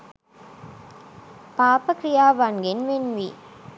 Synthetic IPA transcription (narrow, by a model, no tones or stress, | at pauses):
paːpɐkɾɪjaːʋanɡɪnʋenʋi